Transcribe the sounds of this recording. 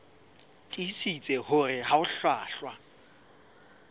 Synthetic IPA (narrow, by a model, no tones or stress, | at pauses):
tʼisit͡sʼɛhʊrɪɦaʊɬwaːɬwa